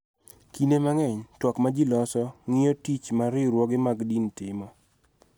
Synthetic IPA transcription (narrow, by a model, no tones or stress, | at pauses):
kinemaŋɛɲtwɔkmad͡ʒilɔsɔŋɪjotit͡ʃmaɾɪɾwɔɡɪmaɡdintɪmɔ